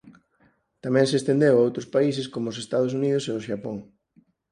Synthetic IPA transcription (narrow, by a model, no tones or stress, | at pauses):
t̪amɛ̃ŋseːst̪end̪ewaowt̪ɾospais̬eskomoːsest̪að̞osunið̞ʊseʊʃapoŋ